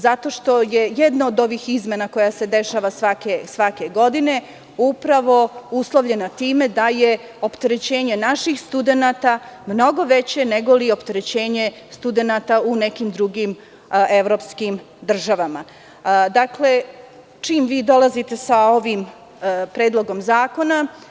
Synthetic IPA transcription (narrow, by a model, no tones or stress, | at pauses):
zat̪o̞ʃt̪o̞jejed̪naod̪o̞ʋixizmenako̞jase̞d̪e̞ʃaːʋasʋakesʋake̞ɡo̞d̪ine̞ | upɾaʋo̞uslˠoʋʎe̞nat̪iːme̞d̪aje | o̞pt̪eɾet͡ɕe̞ːɲenaʃixst̪ud̪enat̪amno̞ɡo̞ʋet͡ɕe̞neɡo̞lio̞pt̪eɾet͡ɕe̞ːɲe̞ | st̪ud̪e̞nat̪aunekimd̪ɾuɡim | e̞ʋɾo̞ːpskim | d̪r̩ʒaʋama | d̪akle̞ | t͡ʂiːmʋiːd̪o̞lˠazit̪e̞sao̞ʋim | pɾeːd̪lˠo̞ɡo̞mzaːko̞na